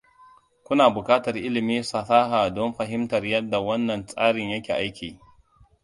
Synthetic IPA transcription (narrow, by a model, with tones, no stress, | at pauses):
kʷʊ˦naː˨bʊ˨kʼaː˦tɐ˨rʔɪ˦lɪ˨miː˦sɐ˨saː˦ɦaː˨dɔ˦mɸɐ˨ɦɪ˦mtɐ˨rjɐ˦dːa˨wɐ˦nːɐ˨nsʼaː˦ɽɪ˨ɲjɐ˦kʲeː˨ʔa˦jkʲʰiː˨